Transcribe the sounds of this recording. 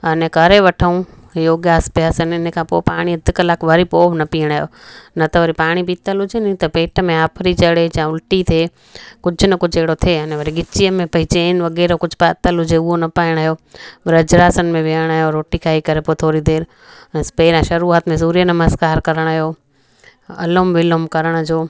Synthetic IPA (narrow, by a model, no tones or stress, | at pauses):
ɐnẽkɐɾeʋɐʈʰəũ | joːɡjaːspjaːsənɪnkʰãːpoːpaːɽ̃iɐd̪ʱɪkɐlaːkʋɐɾipoːʋnɐpiːəɽ̃aːɦjo̰ːnɐt̪ɐʋɐɾipaːɽ̃ibiːt̪əlɦʊd͡ʑenɪ̃t̪ɐpeːʈmẽaːpʰɾit͡ɕɐɽet͡ɕãːʊlʈit̪ʰeː | kʊd͡ʑʱʊnɐkʊd͡ʑʱeɦɽot̪ʰeːɐnẽʋɐɾiɡɪt͡ɕijəmẽpɐɦɪt͡ɕeɪnʋɐɣɛːɾokʊd͡ʑʱpaːt̪əlɦʊd͡ʑeʊɦonɐpaːɪɽ̃aːɦijoːʋɪɾɐd͡ʑɾaːsənmẽʋɪəɽ̃aːɦjoɾoːʈikʰaːikɐɾepoːt̪ʰoːɾid̪eːɾ | speːɾãʃɐɾuːat̪mẽsuːɾijənɐməzkaːɾkɐɾəɽ̃aːɦijoː | ɐ̰lomʋɪlʊmkɐɾəɽ̃d͡ʑoː